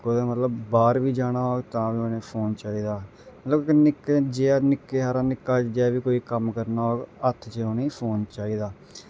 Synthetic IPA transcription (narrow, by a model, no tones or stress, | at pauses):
koːãːmət̪ləbbaːɾʋiːd͡ʒaːɽaːɦoːɡt̪ãːʋioːneːpʰoːnt͡ʃaːiːd̪aː | mət̪ləbnɪkːd͡ʒeːnɪkːeːɦaːɾãːnɪkːaːd͡ʒɛːʋiːkoːiːkəmkəɾnaːɦoːɡət̪ʰt͡ʃeoːneiːpʰoːnt͡ʃaːiːd̪aː